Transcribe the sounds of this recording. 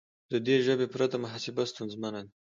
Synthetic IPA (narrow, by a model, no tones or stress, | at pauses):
d̪əd̪eʒəbepɾat̪amaɦasɪbast̪unzmanan